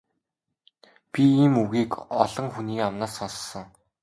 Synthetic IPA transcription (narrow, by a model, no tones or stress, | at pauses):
pʲiiːmuɣiːkɔɮɞ̆ŋxuniːkamnaːsɔnssɞ̆ŋ